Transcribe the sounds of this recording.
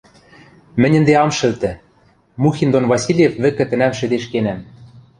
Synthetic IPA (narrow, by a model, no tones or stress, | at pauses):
mɘ̆nʲɘ̆nd̪eɑmʃɘ̆lt̪ɘ̆ | muxʲind̪onvɑsʲilʲjefβɘ̆kɘ̆t̪ɘ̆næmʃɘ̆d̪eʃkenæm